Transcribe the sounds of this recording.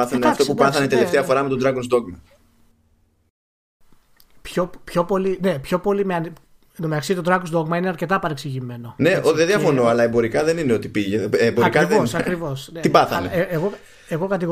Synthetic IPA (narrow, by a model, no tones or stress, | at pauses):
θɐneɐft̪opupɐθɐnet̪ele̞ft̪eɐfo̞ɾɐmet̪od̪ɾɐkonsd̪o̞ɣmɐ | pçopço̞po̞line̞pço̞po̞limeɐni | nomeksit̪od̪ɾɐkosd̪o̞ɣmɐineɐɾce̞t̪ɐpɐɾeksiʝime̞no̞ne̞oðenðjiɐfo̞no̞ɐlɐembo̞ɾikɐðe̞nineo̞t̪i̥piʝeeboɾikɐðeosɐkɾivo̞sneibɐθɐneeeɣo | eɣo̞kɐt̪iɣo